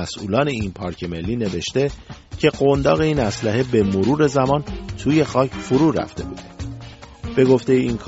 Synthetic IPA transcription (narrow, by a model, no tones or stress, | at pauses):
æsʔṵːlɒːne̞inpʰɒːɾcʰe̞me̞lːiːne̞ve̞ʃt̪e̞cʰe̞ɢond̪ɒːɣe̞iːnæslæɦe̞be̞moɾuːɾe̞zæmɒːnt̪ʰuːje̞xɒːcʰfoɾuːɾæ̰ft̪e̞̰bṵːd̪̥e | b̥e̞ɡo̞ft̪e̞jeiːnkʰ